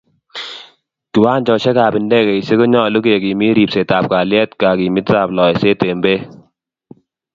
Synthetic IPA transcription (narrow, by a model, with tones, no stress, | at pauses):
ki˨waː˦nt͡ʃɔ˨ʃɛ˦kaː˨bɪ˨ndɛ˦kɛ˨i˨se˦kɔ˦ɲɔ˦˨lu˦ke˨ki˨mi˦ɾi˨pse˨ta˨p̚ka˨ljɛ˦tka˨ki˨mɪ˦ta˨plɔ˨ɛ˨se˦te˨mbe˦